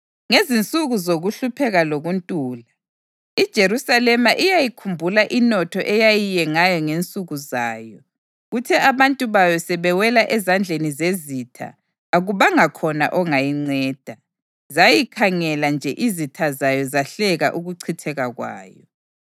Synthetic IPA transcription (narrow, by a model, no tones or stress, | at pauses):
ŋezint͡sʼuɣuzoɣuɬupʰɛɣaloɣuntʼuːla | id̥ʒ̥ʱeɾusalɛmaʔijajikʰumbʱulaʔinɔtʰɔʔɛjajijɛŋajɔŋent͡sʼuɣuzaːjɔ | ɣutʰɛʔaβantʼuβajɔsɛβɛwɛlaʔɛzand͡ɮʱenizezitʰa̰ː | ɣuβaŋakʰɔna̰ʔɔŋajiŋ͡ǀɛːd̥ʱa | zajikʰaŋɛland͡ʒʱɛʔizitʰazajɔzaɬɛɣa̰ʔuɣuǀʰitʰɛɣaɣwa̰ːjɔ